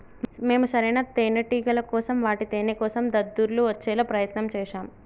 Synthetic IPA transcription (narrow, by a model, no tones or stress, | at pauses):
me̞ːmusɐɾɐnat̪eːnɐʈiːɡɐlɐkɔːsɐmʋaːʈit̪eːnekɔːsɐmd̪ɐd̪ːuɾluʋɐt͡ʃːɛːlɐpɾɐjɐt̪nɐmt͡ʃɛːʂaːm